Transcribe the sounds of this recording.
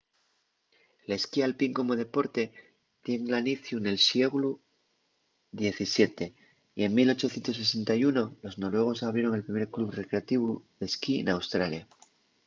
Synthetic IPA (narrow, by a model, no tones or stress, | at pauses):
leskialpiŋko̞mo̞ð̞e̞po̞ɾt̪e̞ | t̪je̞ŋlaniθjune̞lsje̞ɣlu | ðje̞θisje̞t̪e̞ | ie̞ŋmilo̞t͡ʃoθjent̪o̞s̬es̬e̞nt̪ajuno̞lo̞zno̞lwe̞ɣ̞o̞saβɾje̞ɾo̞ŋe̞lpɾime̞ɾkluβre̞kɾe̞at̪iβuðe̞skiḛnawst̪ɾalja